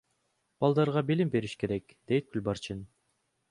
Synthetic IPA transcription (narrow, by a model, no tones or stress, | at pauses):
b̥ɑlˠd̪ɑɾʁɑbilimbe̞ɾiʃke̞ɾekd̪̥e̞jt̪̚kylʲbɑɾt͡ʃin